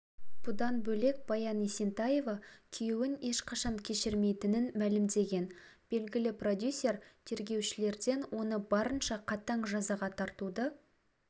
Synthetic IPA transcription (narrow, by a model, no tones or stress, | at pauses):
b̪̥ud̪ɑnbɵle̞k̚b̥ɑjɑnisent̪ɑje̞vɑkʲʰʏjewɪne̞ʃqʰɑʃɑmkʲʰe̞ʃɪɾme̞jt̪ɪnɪnmælɪmd̪e̞ɡʲe̞nb̥e̞lɡʲɪlɪprod̪ʲjusʲːe̞rt̪ʰe̞ɾɡʲe̞wʃɪle̞ɾd̪e̞nwʔo̞nəbɑɾənʃɑqʰɑt̪ɑɴʒɑzɑʁɑt̪ʰɑɾt̪ud̪ə